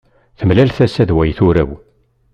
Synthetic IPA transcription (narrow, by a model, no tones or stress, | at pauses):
θəmlælθæsæðwæjθuɾæ̰w